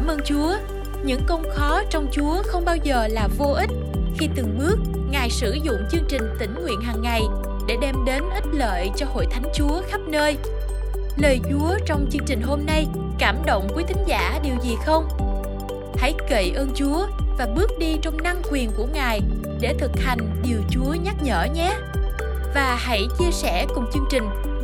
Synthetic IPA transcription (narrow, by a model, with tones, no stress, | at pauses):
mʔəː˧nt͡ɕu˨˦ə | ɲɨ̰˧˥ŋkə˧wŋ͡mxɔ˨˦t͡ɕɔ˧wŋ͡mt͡ɕu˨˦əxə˧wŋ͡mɓaː˧wzəː˨˩laː˨˩vo˧ʔi˦˥t̚ | xi˧t̪ɨ˨˩ŋɓɨ˦˥ək̚ | ŋaː˨˩jsɨ˧˩zʊ̰˧˨ŋ͡mt͡ɕɨ˧əŋt͡ɕï˨˩ŋ̟t̪ï˧˩ŋ̟ŋwḭ˧˨ənɦaː˨˩ŋːa˨˩j | ɗe˧˩ɗɛ˧mɗe˨˦nʔi˦˥t̚lə̰ː˧˨jt͡ɕɔ˧ho̰˧˨jt̪ʰa˨˦jŋ̟t͡ɕu˨˦əxa˦˥p̚nəː˧j | ləː˨˩jt͡ɕu˨˦ət͡ɕɔ˧wŋ͡mt͡ɕɨ˧əŋt͡ɕï˨˩ŋ̟ɦo˧mna˧j | kaː˧˩mɗo̰˧˨wŋ͡mku˨˦t̪ʰï˨˦ŋ̟zaː˧˩ɗi˨˩əwzi˨˩xə˧wŋ͡m | ha̰˧˥jke˧˩jʔəː˧nt͡ɕu˨˦əvaː˨˩ɓɨ˦˥k̚ɗi˧t͡ɕɔ˧wŋ͡mna˧ŋkwi˨˩ənku˧˩əŋaː˨˩j | ɗe˧˩t̪ʰɨ˨˩k̚ha˨˩jŋ̟ɗi˨˩əwt͡ɕu˨˦əɲa˦˥t̚ɲə̰ː˧˩ɲɛ˨˦ | vaː˨˩ha̰˧˥˩jt͡ɕi˧əsɛ˧˩kʊ˨˩ŋ͡mt͡ɕɨ˧əŋt͡ɕï˨˩ŋ̟